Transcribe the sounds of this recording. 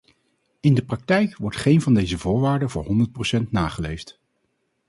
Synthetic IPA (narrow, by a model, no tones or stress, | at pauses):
ɪndəprɑk̚tɛjkʋɔɹtχejnvɑndejzəvʊːɹʋaːɹdəvʊːɹɦɔndəɹt̚prowsɛntnaːχəlejft